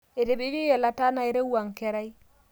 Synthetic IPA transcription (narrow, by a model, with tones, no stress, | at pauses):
e˨te˨be˦d͡ʒo˦ɛ˨la˨ta˦na˨e˨ɾe˦wa˨ŋ˨kɛ˨ɾa˦i˦